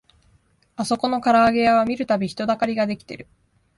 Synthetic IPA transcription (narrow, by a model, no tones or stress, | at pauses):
aso̞ko̞no̞kaɾaːɡe̞jaβamʲiɾɯ̟t̪abʲiçi̥t̪o̞d̪akaɾʲiɡad̪e̞kʲi̥t̪e̞̰ɾɯ̟